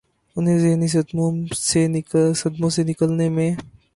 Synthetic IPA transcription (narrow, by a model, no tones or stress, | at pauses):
ʊnɦẽzɪɦnis̬ɐd̪mõsesɐd̪mõsenɪkəlnemẽ